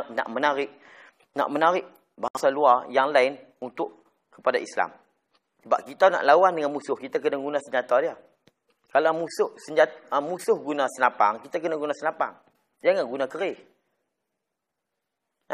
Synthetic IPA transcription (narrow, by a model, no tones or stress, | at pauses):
na̰ʔmənaɾɪʔ | na̰ʔmənaɾɪʔ | baɦaŋsaluarjaŋlaɪn | unt̪ʊʔ | kə̥padaʔisla̰m | səbaʔ̚kit̪ana̰ʔlawandəŋanmusʊhkit̪akənaɡunasəɲd͡ʒat̪adia | kalamusʊhsəɲd͡ʒat̪musʊhɡunasənapa̰ŋkit̪ak̬ənaɡunasəlapa̰ŋ | d͡ʒaŋanɡunakəɾɪh